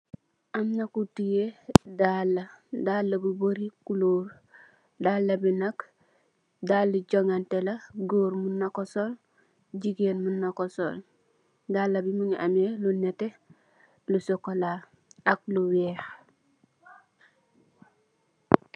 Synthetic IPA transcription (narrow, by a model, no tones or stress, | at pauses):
amnakutijedalːɐdaːlːabuboɾikuloːɾ | dalːɐbinak | dalːuɟoŋantelɐɡoɾmunːakosol | ɟiɡenmunːakoso̰l | daːlːabimuɲa̰melunete | lusokola | ak̚luwɛːx